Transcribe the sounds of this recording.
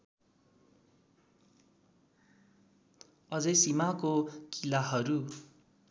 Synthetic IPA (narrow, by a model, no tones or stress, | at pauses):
ʌd͡zʌjsimakokilaɦʌɾu